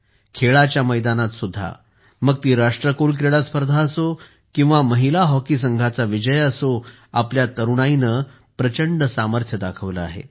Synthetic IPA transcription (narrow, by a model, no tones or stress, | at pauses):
kʰeɭat͡ɕjaməjd̪anat̪sud̪ʱːa̰ | məɡ̚t̪iːɾaʂʈɾəkulkɾeɽaspəɾd̪ʱaəso | kĩw̃ʋaməɦilaɦɔkisəŋɡʱat͡saʋid͡ʑəjəso | apljat̪əɾuɽ̃ainə | pɾət͡ɕəɳɖəsaməɾt̪ʰjəd̪akʰəʋlə̰a̰ɦḛ